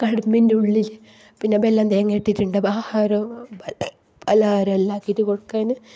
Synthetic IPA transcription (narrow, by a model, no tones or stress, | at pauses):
kɐɽumːindeuɭːilɨ | pinːeɐbelːaːnd̪ejŋːeːʈːiʈːuɳɖɨbaːhaːɾo | bɐlaːɾolːaːkːitːukoɻkːaːnɨ